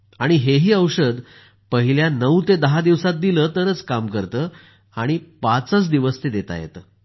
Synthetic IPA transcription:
aɽ̃iɦeɦiːəwɕəd̪ | pəɦiljanəwt̪ed̪əɦad̪iʋsat̪̚d̪iləːt̪əɾət͡skamkəɾt̪əː | aɽ̃ipat͡sət͡sd̪iʋəst̪ed̪et̪a̰jḛt̪ə

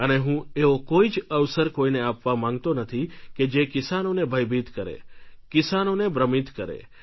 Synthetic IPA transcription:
əneɦũeokoid͡ʒəʋsəɾkoineapʋamãŋɡt̪onət̪ʰiked͡ʒekɪsanonebʱəjbʱit̪kəɾḛkɪsanonebɾəmit̪kəɾḛ

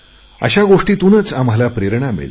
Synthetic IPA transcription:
ə̰ɕaɡoʂʈiːt̪unət͡sam̤alapɾeɾɳamḛɭ

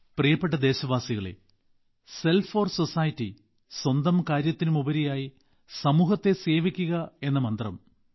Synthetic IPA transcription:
prijɐpːe̞ʈ̬ːɐd̪e̞ːɕɐʋaːsiɣɐɭḛ | se̞lfo̞ːrso̞saːjɐtːi | swɐnd̪ɐmkaːɾjɐt̪ːinɨmubɐɾijaːji | sɐmuːɦɐt̪ːe̞se̞ːʋikʲːuɣɐe̞nːɐmɐnd̪rɐ̰m

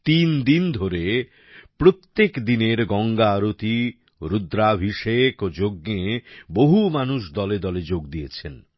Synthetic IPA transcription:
t̪ind̪ind̪ʱoɾe | pɾot̪ːekd̪ineɾɡɔŋɡaːɾot̪i | ɾud̪ɾabʱiʃekod͡ʑoɡeboɦumanuʃd̪ɔled̪ɔled͡ʑoɡd̪ijet͡ɕʰen

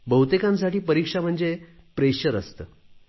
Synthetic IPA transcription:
bəwt̪ekãns̬aʈiːpəɾikʂam̤əɳd͡ze | pɾeɕəɾəst̪əː

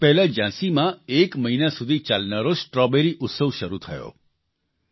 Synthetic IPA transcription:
pɛɦlad͡ʒãsimãekməɦinasud̪ʱit͡ʃalnaɾosʈɾɔbeɾiʔʊt̪səʋʃəɾut̪ʰəjo̰

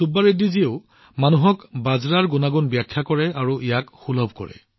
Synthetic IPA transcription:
subːaɹedizioʊ | manuɦɔkbazɹaɹɡunaɡunbjakʰːakɔɹɛaɹuijakxulɔbʱkɔ̰ɹɛ̰

